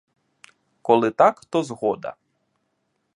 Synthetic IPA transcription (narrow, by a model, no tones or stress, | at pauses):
kɔlˠɪt̪akt̪ɔzɦɔd̪ɐ̰